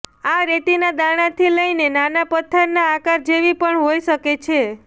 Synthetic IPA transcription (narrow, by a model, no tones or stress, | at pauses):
aɾet̪inad̪aɽ̃at̪ʰiləinenanapət̪ʰːəɾnaːkaɾd͡ʒeʋipəɳɦojʃəket͡ʃʰe